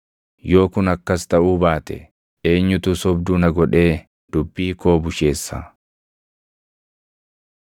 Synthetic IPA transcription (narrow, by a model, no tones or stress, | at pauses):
jo̞ːkʊnɐkːɐst̪ɐʔuːbaːt̪ɛ̰ | eːɲːʊt̪ʊsɔbd̪ʊnɐɡɔᶑe̞ː | d̪̥ʊbːiːko̞ːbʊʃe̞ːsːa̰